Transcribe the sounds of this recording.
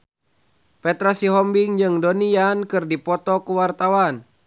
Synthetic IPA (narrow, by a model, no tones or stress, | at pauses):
pɛt̪ɾasiɦɔmbiŋd͡ʒɨŋdɔniankɨrdipɔt̪ɔkuwart̪awan